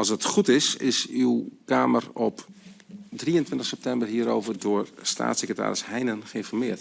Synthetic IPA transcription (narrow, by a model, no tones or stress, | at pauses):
ɑlˠsətχutɪsɪsywkaːmərɔp | driəntʋɪntəxsɛp̚tɛmbərɦiəɾo̰ːvərdʊərsta̰ːtsɛkrəta̰ːɾɪshɛjnənχəɪnfɔrmɪət